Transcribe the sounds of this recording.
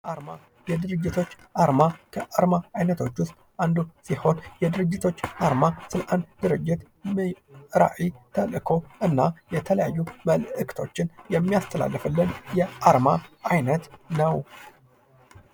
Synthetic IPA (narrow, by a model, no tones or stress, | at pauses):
ʔaɾma | jɛd̪ɨɾɨd͡ʒːɪt̪ʰo̞t͡ʃː | ʔaɾmakʰəʔaɾmaajnət̪ʰo̞t͡ʃːwʊst̪ʼʔand̪usiho̞njɛd̪ɨɾɨd͡ʒːɪt̪ʰo̞t͡ʃːʔaɾmasɨlʔand̪d̪ɨɾɨd͡ʒːɪt̪ | mɾa̰ʔit̪ʰəlɨkʰo̞ʔɨnːajɛt̪ʰələjajːuməlʔɨkʰt̪ʰo̞t͡ʃːɪnjɛmːijast̪ʰəla̰lːɨfɨlːɨnjɛʔaɾmaʔajnət̪nəw